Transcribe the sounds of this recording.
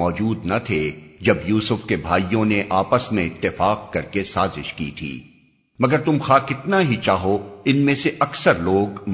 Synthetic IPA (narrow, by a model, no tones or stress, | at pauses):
ɔːd͡ʒuːd̪nɐt̪ʰed͡ʒɐbjuːsʊfkebʱaːijõneʔaːpəsmẽɪt̪ːɪfaːq̚kɐɾkesaːzɪ̰ʃkḭːt̪ʰḭː | mɐɡəɾt̪ʊmxaːkɪt̪naɦit͡ʃaːɦoɪnmẽseʔɐksəɾloːɡm